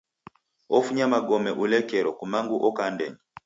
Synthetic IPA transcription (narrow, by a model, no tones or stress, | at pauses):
ɔfuɲamaɡɔmɛʔulɛkɛɾɔkumaŋɡuʔɔkandɛ̰ɲi